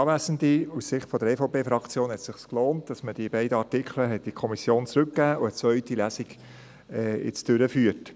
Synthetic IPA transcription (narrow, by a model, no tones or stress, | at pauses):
ɑːvæːsən̩diussɪχtfɔd̥əɾɛːfɔʊpeːfɾɑkt͡sjoːnhɛtsɪχskloːntd̥ɑsməd̥iəbæɪdəɑɾtikʰχləɦɛt̚d̥ikʰɔmisjoːnt͡sɾɵkːæːʔʊɛt͡svœʏtilæːsiɡ | ɛːɪ̰t͡sd̥ʏɾəfyːət